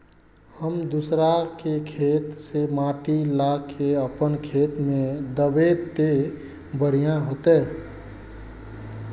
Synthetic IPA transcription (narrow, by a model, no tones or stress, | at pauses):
həmd̪usɾakekʰet̪semaʈilakʰeəpənkʰet̪mẽd̪əbet̪e | bəɽ̤ijãɦot̪ɛ